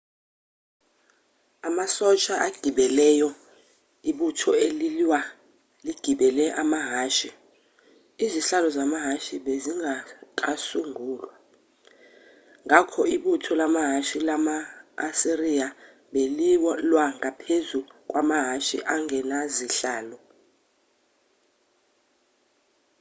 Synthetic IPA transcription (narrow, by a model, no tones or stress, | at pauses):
amasɔt͡ʃʼaʔaɡ̥ʱiɓɛlɛjɔ | iɓutʰɔeliliwa | liɡ̥ʱiɓɛlɛʔamaɦaːʃi | iziɬalɔzamaɦaʃiɓeziŋakʼasuŋʱuːlwa | ŋʱakʰɔiɓutʰɔlamaɦaʃilamaːsiria | ɓeliwlwaŋapʰezukʼwamaɦaʃḭʔaŋʱɛnaziɬaːlɔ